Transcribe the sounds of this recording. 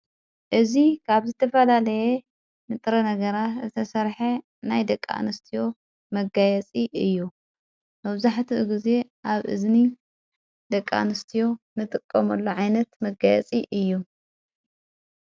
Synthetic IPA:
ʔɨzikʰaβzɨt̪ʰɐfɐlalɐje | mɨt̪ʼɾɐnɐɡɐɾat̪zɨt̪ʰɐsɐɾħe | najd̪ɐkʼːa̰nɨst̪ʰijo̞ | mɐɡajɛt͡sʼiʔɨjːu | mɐβzaħt̪ʰiʔɨɡize̞ʔaβʔɨ̰zni | d̪ɐkʼːa̰nɨst̪ʰijo̞ | nɨt̪ʼɨkʼːɐmɐlːoʕajnɐt̪mɐɡajɛ̰t͡sʼiʔɨjːu

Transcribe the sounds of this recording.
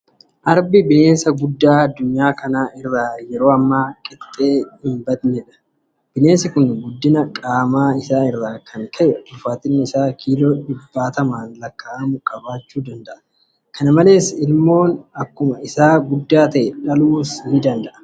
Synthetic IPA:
ʔɐɾbɪbɪne̞ːnsɐɡʊd̪ːaːɐd̪ːʊɲːaːkɐnaːɪrːaːjɛɾo̞ːɐmːaːkʼɪt̪ʼːe̞ːhɪmbɐd̪nɛᶑɐ̥ | b̥ɪne̞ːnsɪkʊnɡʊd̪ːɪnɐkʼaːmaːɪsaːɪrːaːkʰɐŋkʰɐʔɛbʊfaːt̪ɪnːɪɪsaːkʰiːloːᶑɪbːaːt̪ɐmaːnlɐkːaːʔɐmʊkʼɐbaːt͡ʃːuːd̪ɐnd̪ɐʔɐ̥ | kɐnɐmɐle̞ːsɪlmo̞ːnɐkːʊmɐɪsaːɡʊd̪ːaːt̪ɐʔɛᶑɐluːshɪɪd̪ɐnd̪ɐʔɐ̥

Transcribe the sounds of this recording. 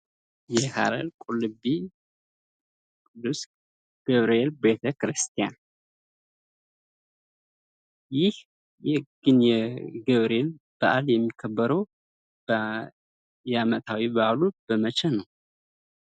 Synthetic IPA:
jɛhʰa̰ɾəlkʼulɨbi | kʼɨd̪ːus | ɡ̥əβɾelbet̪ʰəkɾɨst̪ʰija̰n | jɪh | jɛɡ̥ɨnjɛɡəβɾel | b̥aʔaljɛmːikʰəbːəɾəw | b | jamət̪ʰawibaalub̥əmət͡ʃʰɛnəw

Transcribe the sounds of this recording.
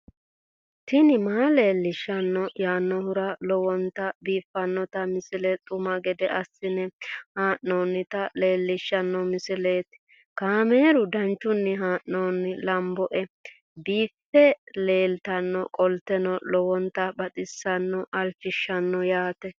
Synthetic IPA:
t̪ɪnɪmaːle̞ːlːɪʃːɐnːɔjaːnːɔhʊɾɐlɔwɔnt̪ɐbiːfːɐnːɔt̪ɐmɪsɪlɛt̪ʼʊmɐɡɛd̪ɛʔɐsːɪnɛhaːʔnoːnːɪt̪ɐle̞ːlːɪʃːɐnːɔmɪsɪle̞ːt̪ | kaːme̞ːɾʊd̪ɐnt͡ʃːʊnːɪɦaːʔnoːnːɪlɐmbɔʔɛ | biːfːɛle̞ːlt̪ɐnːɔkʼɔlt̪ːɛnɔlɔwɔnt̪ɐbɐt̪ʼɪsːɐnːɔʔɐlt͡ʃːɪʃːɐnːɔjaːt̪ɛ

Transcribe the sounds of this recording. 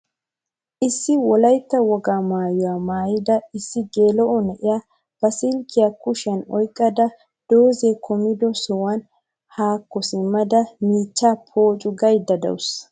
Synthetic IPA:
ʔɪsːɪwɔlɐjt̪ːɐwɔɡaːmaːjʊwaːmaːjɪd̪ɐɪsːɪɡeːlɔʔɔnɛʔɪja | b̥ɐsɪlkːɪjɐkʊʃɐnɔjkʼːɐd̪ɐ | d̪̥oːzekʰɔmɪd̪ɔsɔwɐn | haːkːɔsɪmːɐd̪ɐmiːt͡ʃːaːpʰoːt͡ʃʼʊɡɐjd̪ːɐd̪ɐ̰wʊs

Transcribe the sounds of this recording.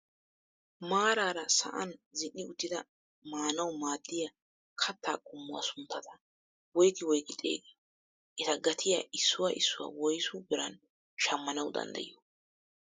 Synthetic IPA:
maːɾaːɾɐsɐ̰ʔɐnzɪnːɪʊt̪ːɪd̪ɐ | maːnɐwʊmaːd̪ːɪja | kʰɐt̪ʰːaːkʼʊmːʊwa̰sʊnt̪ːɐt̪ɐ | wɔjkːɪwɔjkʼɪt̪ʼːḛːɡeː | ʔɛt̪ɐɡɐt̪ʰɪjaɪsːʊwaʔɪsːʊwa̰wɔjsʊbɪɾɐn | ʃɐmːɐnɐwd̪ɐ̰nd̪ɐ̰jo

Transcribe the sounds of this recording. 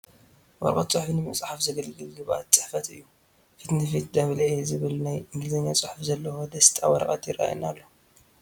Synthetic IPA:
wɔ̰ɾkʼɐ̰t̪̚t͡sʼɨħfnɨmɨt͡sʼħafzɐɡɐlɡɨlɡɨβa̰t̪t͡sʼɨħfɐt̪ɨjːu | fit̪nɨfit̪̚d̪ɐβlezɨβɨlnajɨŋɡɨlzɐɲːat͡sʼɨħfzɐlːɐxod̪ɐst̪ʰʼawɐ̰ɾkʼɐt̪jɪɾa̰j̰nalːo

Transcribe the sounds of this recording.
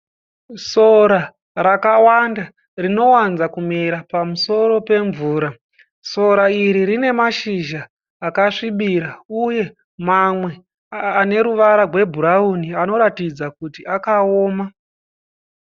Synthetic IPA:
so̞ɾa | ɾakawanda | rino̞wanzakumeɾapamuso̞ɾo̞pe̞ɱvuːɾa | so̞ɾaiɾiɾine̞maʃiʒaː | kaʂiɓiɾauje̞ | mamwe̞ː | ne̞ɾuʋaɾarwe̞bʱuɾauniano̞ɾatid͡zakutiakaoːma

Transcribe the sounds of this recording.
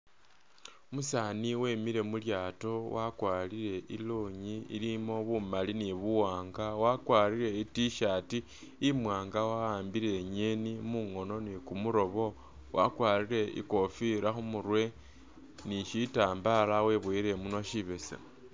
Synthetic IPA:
musaːniwe̞miɾe̞muljaːto̞wakwaliɾe̞ʔiloɲiḭlimo̞βumaliniβuwaːŋɡawakwaːliɾe̞itiʃaːtiː | mwaːŋɡawaaːmbiɾe̞ɲenimuŋo̞no̞nikumuɾo̞βo̞ | wʔa̰kwaːɾiɾe̞ḭko̞fiɾaxumurwe̞ | niʃitaːmbalawe̞βweɾe̞muno̞ʃiβe̞sa̰

